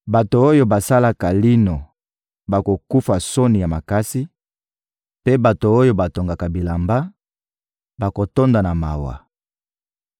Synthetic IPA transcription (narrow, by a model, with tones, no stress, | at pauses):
ba˨to˨o˦jo˦ba˨sa˦la˨ka˨li˦no˨ | ba˨ko˨ku˦fa˨so˦ni˨ja˨ma˨ka˦si˦ | pe˦ba˨to˨o˦jo˦ba˨to˨ŋɡa˨ka˨bi˨la˨mba˦ | ba˨ko˨to˦nda˨na˨ma̰˨wa̰˨